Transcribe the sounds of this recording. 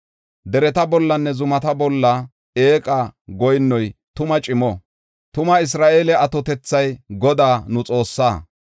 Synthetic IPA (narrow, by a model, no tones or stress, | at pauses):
d̪ɛɾɛt̪ɐbɔlːɐnːɛzʊmɐt̪ɐbɔlːɐ | eːkʼaɡɔjnːɔjt̪ʊmɐt͡ʃʼɪmɔ | t̪ʊmɐɪs̬ɾaːʔeːlɛɐt̪ɔt̪ɛt͡sːɐjɡɔd̪aːnʊt͡sʼo̞ːsːaː